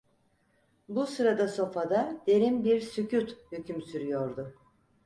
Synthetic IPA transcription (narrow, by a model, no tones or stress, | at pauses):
busɯɾad̪aso̞fad̪ad̪̥e̞ɾimbiɾsycut̪hycʰymsyɾyjo̞ɾd̪ʊ